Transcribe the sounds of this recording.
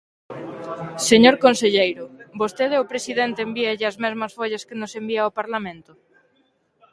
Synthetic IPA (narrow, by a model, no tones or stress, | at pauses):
seɲoɾkonseʎejɾʊbost̪eð̞eopɾesiðent̪eːmbiaʎɪazmezmɐsfoʎaskenosembiaopaɾlamẽnt̪ʊ